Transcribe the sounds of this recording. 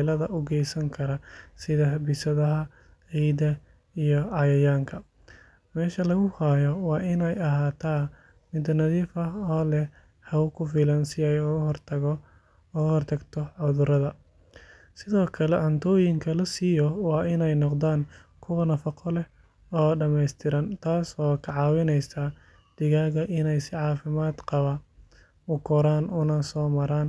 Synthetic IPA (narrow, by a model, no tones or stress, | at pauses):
lɐðɐʔʊɡɛjsɐŋkʰɐɾɐsɪðɐbɪsɐðɐɦɐ | ɛjd̪ɐ | ijɔɑjɐjaːŋkʰɐ | mɛːʃɐlɐɣʊhaːjɔwɑːʔɪnɛjɐɦaːt̪ʰaː | mɪd̪nɐðiːfɐɔːlɛh | hɐʊkʰʊfiːlɐnsɪjajhrt̪ʰɐ | ʊɣhɔrt̪ʰɐɡt̪ʰɔʕʊðʊɾɐðɐ | sɪðɔːkʰɐlɛʕʊnt̪ʰɔːjɪŋkʰɐlɐsijɔwɑːʔɪnɛjnɔqd̪aːn | kʰʊwɐnɐfɐqʰɔlɛh | ɔːɖɐmɛjst̪ʰɪɾɐnt̪ʰaːsɔːkʰɐʕɑːwɪnɛjsɐ | d̪̥ɪɣaːɣɐʔɪnɛjsɪʕɑːfɪmaːd̪qɑβɐ | ʊkʰɔɾaːnʔʊnɐsɔːmɐɾaːn